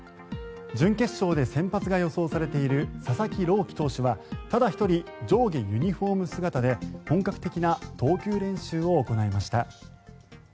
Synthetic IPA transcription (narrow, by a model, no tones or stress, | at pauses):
d͡ʑɨ̃ŋke̞ɕːo̞ːd̪e̞sẽ̞mpat͡sɨɡajo̞so̞ːsaɾe̞t̪e̞iɾɯ̟sasakʲiɾo̞ːkʲi̥t̪o̞ːɕiβat̪ad̪açi̥t̪o̞ɾʲid͡ʑo̞ːɡʲejɯɲ̟iɸo̞ːmɯ̟sɨɡat̪ad̪e̞hõ̞ŋkakɯ̟t̪e̞kʲinat̪o̞ːkʲɨːɾẽ̞ɕɨːo̞ːko̞naimaɕi̥t̪a